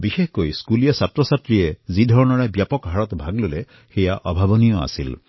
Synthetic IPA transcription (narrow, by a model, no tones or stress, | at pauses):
bixehkojskulijɔsat̪ɹɔsat̪ɹiezid̪ʱɔɹɔnɔɹabjapɔkɦaɹɔt̪bʱaɡlule | xejaʔɔbʱabɔnijɔa̰sḭl